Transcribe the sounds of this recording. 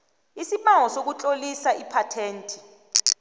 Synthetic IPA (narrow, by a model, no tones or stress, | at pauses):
isiɓaŋɔsok̬ut͡ɬʼolisaipʰatʰeːntʼʰi̥